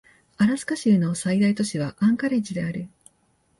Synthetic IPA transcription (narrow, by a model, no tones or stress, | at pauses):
aɾasɨ̥kaɕiɯno̞said̪ait̪o̞ɕiβaʔãŋkaɾe̞t͡ɕid̪e̞aɾɯ̟